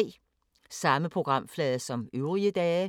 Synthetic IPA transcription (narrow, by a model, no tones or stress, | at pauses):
sɑ̈məpʰʁo̝ɡ̥ʁɑ̈m̰flɛːðˠɐsɒ̽møʊʁiəd̥ɛː